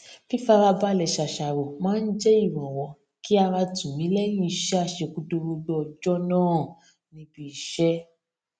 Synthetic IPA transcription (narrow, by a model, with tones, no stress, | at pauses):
fi˦fa˧ɾa˧ba˦˨lɛ˨ʃa˨ʃa˨wo˨mãː˦n̩˦d͡ʒe˦i˦˨mɔ̃˨wɔ̃˨ | ki˦a˧ɾa˧tũ˨mĩ˨˦lɛ˦j̃ĩ˦˧˨ʃa˦˨ʃe˧ku˧do˧ɾo˧ɡ͡bɔ˧ɔ˧d͡ʒɔ˦nãː˦˨ | nĩ˧bi˨ʃɛ˦